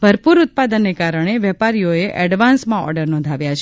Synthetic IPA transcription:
bʱəɾpuɾut̪̚pad̪ənːekaɾəɳ̃eʋɛpaɾijoeʔʔɛɖʋansmãɔ̰ɾɖəɾnɔ̃nd̪ʱaʋjat͡ʃʰ

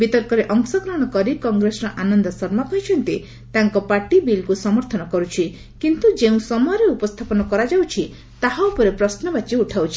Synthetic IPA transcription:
bit̪ɔɾkɔɾeʔɔŋsɔkɾɔɦɔɽ̃ɔkɔɾikɔŋɡɾesɔɾɔʔanɔnd̪ɔsɔɾmakɔɦit͡ʃʰɔnt̪i | t̪aŋkɔpaɾʈibilkusɔmɔɾt̪ʰɔnɔkɔɾut͡ʃʰi | kint̪ud͡ʒeũsɔmɔjɔɾeupɔst̪ʰapɔnɔkɔɾad͡ʒawt͡ʃʰi | t̪aɦaupɔɾepɾɔsnɔbat͡ʃiuʈʰawt͡ʃʰi

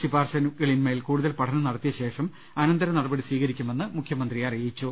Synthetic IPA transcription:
sibaːrɕɐnɣɐɭinmeːlkuːɽuðɐlpɐʈʰɐnɐmnɐɽɐt̪ːijɐɕe̞ːʂɐm | ɐnɐnd̪ɐɾɐnɐɽɐbɐɽisʋiːɣɐɾikʲːume̞nːɨmukʰjɐmɐnd̪rijarijit͡ɕːu

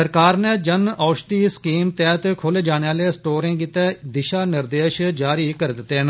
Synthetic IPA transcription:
əɾkaːɾnɛ̃ːd͡ʒənʔaːʃt̪iːskiːmt̪ɛːt̪kʰoleːd͡ʒaːɽ̃eːaːleːsʈoːɾẽːkiːt̪ɛːd̪ɪʃaːnɪɾd̪eːʃd͡ʒaːɾiːkəɾd̪ɪt̪ːeːɦn

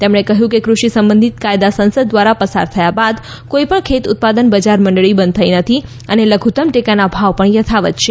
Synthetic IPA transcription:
t̪emɳ̃ekəɦjũkekɾuʃisəmbə̃nd̪ʱit̪kajd̪asənsəd̪̚ːʋaɾapəsa̰ɾt̪ʰəjabad̪ | koipəɳkʰet̪ʊt̪̚pad̪ənbəd͡ʒaɾməɳɖɭibə̃nd̪̚t̪ʰajnət̪ʰi | əneləɡʱut̪əmʈekanabʱaʋpəɳjət̪ʰaʋət̪t͡ʃʰe

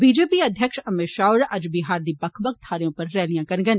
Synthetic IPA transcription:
biːd͡ʒeːpiɐd̪ʱjəkʃɐmɪʃaːʊɾʔɐd͡ʒbiɦaːɾd̪ibɐkʰbək̚t̪ʰaːɾjõpɐɾːɛːlijãkɐɾɡən

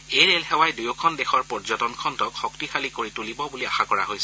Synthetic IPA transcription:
ejɹelɦɛwajdujɔkʰɔndexɔɹpɔɹzɔtɔnkʰɔntɔkxɔktixalikoɹitulibɔbuliaxakɔɹa̰ɦojsɛ

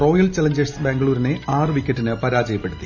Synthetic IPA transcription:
ro̞ːjɐlt͡ɕɐlɐɲd͡ʑesbeŋɡɐɭuːɾine̞aːrɨʋikʲːɐtːinɨpɐɾaːd͡ʑɐjɐpːeɽut̪ːi̥

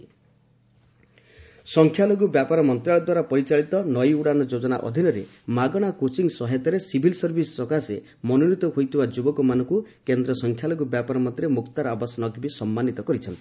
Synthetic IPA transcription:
sɔŋkʰjaloɡubjapaɾɔmɔnt̪ɾaɭɔd̪waɾapɔɾit͡ʃaɭit̪ɔnɔjuɽanɔd͡ʒod͡ʒɔna̰ʔɔ̰d̪ʱinɔɾe | maɡɔɽ̃akot͡ʃiŋsɔɦet̪ɔɾesibʱilsɔɾbʱisɔ̥sɔkase | mɔnunit̪ɔɦojt̪ʰibad͡ʒubɔkɔmanɔ̃ŋkukend̪ɾɔsɔŋkʰjaloɡubjapaɾɔmɔt̪ɾemukt̪aɾɔabasɔnɔɡbisɔmːanit̪ɔkɔɾit͡ʃʰɔnt̪i̥

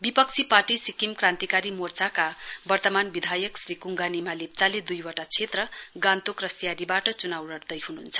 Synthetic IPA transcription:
bipʌk̚t͡sʰiparʈisikimkrãnt̪ikaɾimort͡sakabʌrt̪ʌmanbid̪ʱajʌksrikuŋɡanimalep̚t͡saled̪ujwʌʈat͡sʰet̪rʌɡant̪okrʌsijaɾibaʈʌt͡sunawrʌrd̪ʌjɦununt͡sʰʌ̥

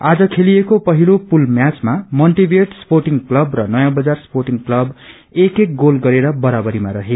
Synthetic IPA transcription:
ad͡zʌkʰelijekopʌɦilopulmjat͡smamʌlʈibeʈsporʈiŋklʌbrʌnʌjãbʌd͡zarsporʈiŋklʌb | ekek̚ɡolɡʌɾeɾʌbʌɾabʌɾimaɾʌɦe

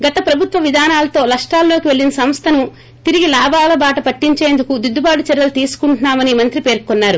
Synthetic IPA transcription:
ɡɐt̪ɐpɾɐbʱut̪ʋɐʋid̪ʱaːnaːlɐt̪o̞ːlɐʂʈaːllo̞ːkiʋe̞ɭːinɐsɐmst̪ʰɐnu | t̪iɾiɡilaːbʱaːlɐbaːʈɐpɐʈːiɲt͡ʃe̞ːnd̪ukud̪ud̪ʱːubaːɽut͡ʃɛɾːɐlut̪iːsu̥kuɳʈunaːmɐnimɐnt̪ɾipe̞ːɾkɔnːaːɾu

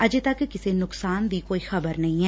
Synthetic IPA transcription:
əd͡ʒt̪əkːɪsenʊksaːnd̪iːkoːiːxəbəɾnɐɦĩːɦɛː

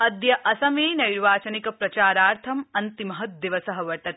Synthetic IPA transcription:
ɐd̪jɐʔɐsɐmeːnɐɾʋaːt͡ʃɐnikɐpɾɐt͡ʃaːɾaːɾt̪ʰɐmɐnt̪imɐɦɐd̪iʋɐsɐɦɐʋɐʈɐt̪

